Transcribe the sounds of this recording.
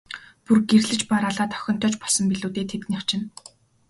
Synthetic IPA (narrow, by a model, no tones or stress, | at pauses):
purɡerɮɘ̆t͡ɕpaɾaːɮaːt̪ʰœ̥xʲɞ̆n̥t̪ʰœːt͡ɕpɔɮsɞ̆mpiɮuːt̪eːt̪ʰet̪̚nʲiawt͡ɕʰɪ̆n